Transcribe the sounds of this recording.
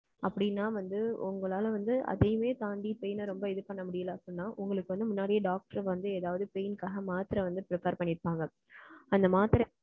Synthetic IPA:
ɐpːɐɽɪnːaːʋɐnd̪ɯʊ̰ŋɡɐɭaːlʋɐnd̪ɯʔɐ̰ðɛjɯmeːt̪aːɳɖipɛjnɯɾɔmbɐɪðɯpːɐɳːɐmʊɽɪjɐlɐɐpːɽɪnːaːʔʊŋɡɐɭɯkːɯʋɐnd̪ɯmʊnːaːɽɪijɐɖaːk̚ʈɐɾʋɐnd̪ɯeːðaːʋɐðɯpejnkaːɣɐmaːt̪ɪɾɐʋɐnd̪ɯpɾɪpɐɾpɐɳːɪɾpːaːŋɡɐ | ɐnd̪ɐmaːt̪ɪɾɐ

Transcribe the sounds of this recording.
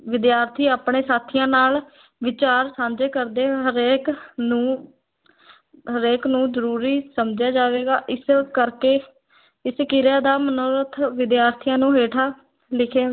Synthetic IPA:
ʋɪd̪jaːɾt̪ʰiːaːpɳẽːsaːt̪ʰɪjãːnaːl | ʋɪt͡ʃaːɾsãːnd͡ʒeːkəɾd̪eːɦəɾeːkũː | ɦəɾeːknũːzəɾuːɾiːsəmd͡ʒjaːd͡ʒaːʋeːɡaːʔɪskəɾkeː | ɪskɪɾjaːd̪aːmənoɾət̪ʰʋɪd̪jaːɾt̪ʰɪjãːnũːɦeːʈʰaː | lɪkʰeː

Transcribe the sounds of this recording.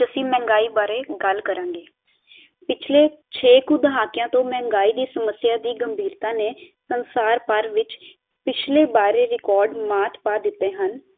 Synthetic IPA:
d͡ʒəsĩːmɛ̃ːŋɡaːiːbaːɾeːɡəlkəɾãːŋɡeː | pɪt͡ʃʰleːt͡ʃʰeːkũːd̪əɦaːkɪjãːt̪õːmɛ̃ːŋɡaːiːd̪iːsəməsːjaːd̪iːɡəmbʱiːɾt̪ãːneːsənsaːɾpəɾʋɪt͡ʃ | pɪt͡ʃʰleːbaːɾeːɾɪkɔːɾɖmaːt̪ʰpaːd̪ɪt̪ːeːɦən

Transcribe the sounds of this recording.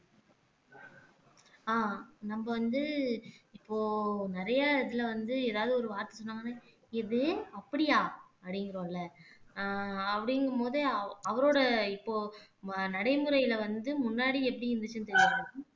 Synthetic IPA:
aːnɐmbɐʋɐnd̪ɯɪpːoːnɪɾɐjɐɪðɪlɐʋɐnd̪ɯeːðaːʋðɯɔɾɯʋaːɾt̪ɐ̥sɔnːaːŋɡɐnːaː | ɪðɯɐpːɐɽɪjaː | ɐpɐɽɪjŋɡɪɾoːɪlːɐ | ɐpːɐɽɪŋɡɐmoːðɯɐʋɐɾoːɽɐɪpːoːnɐɽɐɪmɯɾɐjɪlɐʋɐnd̪ɯmʊnːaːɽiɛpːɐɽiɪnd̪ɯt͡ʃːɯnɯt̪ɛɾɪʋaːŋɐ

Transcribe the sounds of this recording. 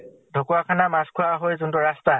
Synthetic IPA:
dʱokuwakʰanamaskʰʊwaɦojzʊntʊɹasta

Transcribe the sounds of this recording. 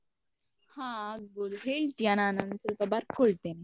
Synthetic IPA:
hãɡolɦeɭʈ̪jananənt͡səlpəbaɾkʰoɭt̪en

